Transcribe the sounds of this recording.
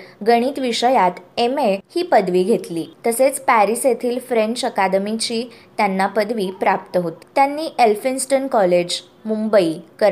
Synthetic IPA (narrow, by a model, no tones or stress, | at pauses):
ɡəɽ̃iːt̪ʋiʂəjat̪emehiːpəd̪ʋiːɡʱet̪liːt̪əset͡spæɾiset̪ʰiːlfɾeɲt͡ɕəkad̪əmit͡ɕiːt̪janːapəd̪ʋiːpɾap̚t̪əɦot̪i̥t̪ːjanːiːʔelfinsʈənkɔled͡ʑ | mumbəikəɾ